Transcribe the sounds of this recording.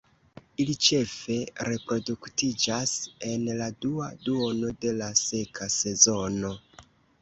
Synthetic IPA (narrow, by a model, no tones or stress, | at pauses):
ilit͡ʃe̞fe̞ɾe̞pɾo̞duktid͡ʒase̞nladuaduo̞no̞de̞lase̞kʰase̞zo̞no